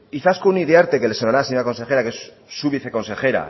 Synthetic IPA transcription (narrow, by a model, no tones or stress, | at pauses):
iθaskouniðeaɾt̪e̞ke̞lesonaɾaseɲoɾako̞nse̞xe̞ɾakes | suβiθe̞ko̞nse̞xe̞ɾa̰